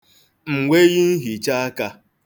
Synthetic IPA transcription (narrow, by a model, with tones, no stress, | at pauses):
m̩˨ŋʷe˦ɣɪ˦n̩˦ɦi˨t͡ʃa˦a˦ka˦